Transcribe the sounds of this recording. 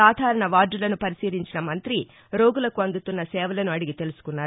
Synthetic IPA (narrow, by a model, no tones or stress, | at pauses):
aːd̪ʱaːɾɐɳɐʋaːɖːulɐnupɐɾisiːɾiɲt͡ʃinɐmɐnt̪ɾi | ɾo̞ːɡulɐkuɐnd̪ut̪unːɐsɛːʋɐlɐnuɐɽiɡit̪e̞lusu̥kunːaːɾ